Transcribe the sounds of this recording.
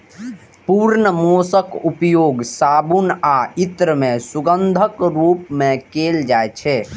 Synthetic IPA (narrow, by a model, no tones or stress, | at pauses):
puɾnəmosəkupjoɡsaːbunait̪ɾəmẽsuɡənd̪ʱəkɾupmẽkeld͡ʒaet͡ʃʰɛ